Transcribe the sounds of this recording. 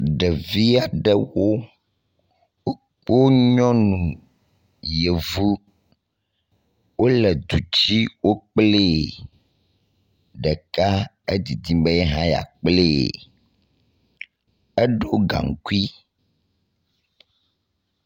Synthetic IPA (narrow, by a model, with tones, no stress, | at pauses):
ɖɛ˨vi˦a˨ɖɛ˦wo˦ | wo˦ | k͡po˦ɲɔ̃˦nũ˨ | je˨vu˦ | wo˦lɛ˨d̪u˨t͡ɕi˦wo˦k͡ple˦˨ | ɖɛ˨ka˦ | e˦d̪i˨d̪i˦be˦jɛ˦ɦã˦ja̰˨k͡plḛ˦˨ | ɛ˦ɖo˦ɡa̰˨ŋ˨ku˦i˦